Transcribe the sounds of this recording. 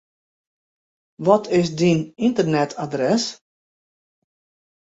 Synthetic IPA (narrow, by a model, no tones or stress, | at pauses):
ʋɔtʰɪsdinɪntərnɛtʰadrɛs